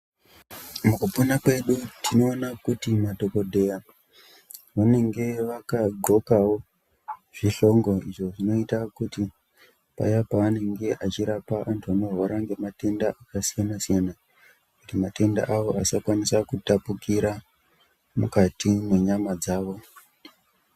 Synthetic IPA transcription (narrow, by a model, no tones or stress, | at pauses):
mukuponakwe̞ɗutino̞ːnakutimato̞ko̞dʱe̞ja | ʋane̞ŋɡe̞ʋakaɡʱo̞kawo̞ | ʐ̥iɬo̞ŋɡo̞iʐo̞ʐino̞itakuti | pa̰japaane̞ŋɡe̞ʔat͡ʃiɾapaʔantʰuanoroɾaŋɡe̞mate̞ndaʔakasijanasijana | kutimate̞nda̰ʔaʋo̞ʔasakwanisakutapukiɾa | mukatimwe̞ɲamad͡zaːʋo̞